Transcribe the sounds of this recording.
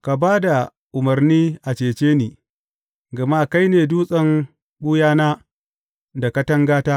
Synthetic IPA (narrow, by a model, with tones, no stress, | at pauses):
ka˨baː˦da˨ | ʔʊ˨mɐ˨rniː˦ʔa˨t͡ʃeː˨t͡ʃeː˦niː˨ | ɡɐ˨ma˦ka˦jneː˨duː˦sʼɐ˦ŋ | ɓu˦jaː˦naː˦ | da˨kɐ˦tɐ˦ŋɡaː˦taː˦